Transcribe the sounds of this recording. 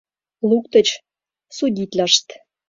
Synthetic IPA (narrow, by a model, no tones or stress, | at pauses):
lukt̪ə̆t͡ɕ | sud̪ʲit̪lʲə̆ʃt̪